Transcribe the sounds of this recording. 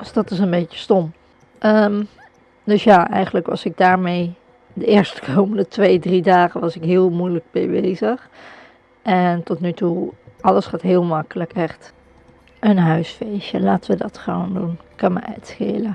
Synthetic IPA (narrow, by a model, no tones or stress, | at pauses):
ɔsd̥ɔtɪs̬ənbejtə̥stom | ʔəm | døsjaːʔɛ̰jχəndləkʋɑ̰sɪk̚daːɹmej | dəɪːɹstə̥kʰowməndətʋejdridaːχəʋɑsɪkɦɪːəlˠmujlək̚bɛ̰jbeːzəx | ʔɛntɔtnytuʔɑləsχaːtɦɪːəlˠmɑkələkʰɛχt | ʔənɦœɥsfejʃjəlaːtəʋədɑtχəʋo̰ndunkːɑmə̰ʔɛ̰tsxḛːlə